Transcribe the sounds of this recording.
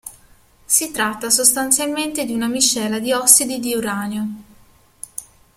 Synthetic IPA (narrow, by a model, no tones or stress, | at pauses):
sit̪ɾat̪ːasost̪ant̪sjalment̪ed̪iunamit͡ʃːɛːlad̪iɔksid̪id̪iuɾaːneo